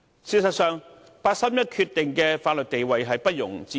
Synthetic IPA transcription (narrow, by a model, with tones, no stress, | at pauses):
siː˧tsɐ˨t̚sœː˨˧ŋ | paː˧t̚sɐ˥mjɐ˥t̚kʰyː˧t̪ɪ˨ŋkɛː˧faː˧t̚lɵ˨t̚t̪e˨jwɐ˨jɦɐ˨jpɐ˥t̚jʊ̰˨˩ŋt͡siː˨